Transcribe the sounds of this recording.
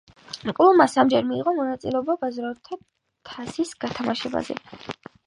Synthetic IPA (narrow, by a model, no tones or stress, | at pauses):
qʼlˠumasamd͡ʒɛɾmiːʁɔmɔnat̪sʼilɛɔbabazɾat̪ʰa | t̪ʰasisɡ̥at̪ʰamaʃɛba̰zɛ̰